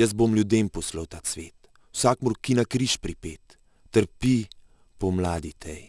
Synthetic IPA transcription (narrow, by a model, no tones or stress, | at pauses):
jəzbomlʲjud̪eːmpɔsləwt̪aːsʋeːt̪ | wsakmɾkːinakɾiʃpɾipeːt̪ː | əɾpi | pɔmlaːd̪it̪ʰɛj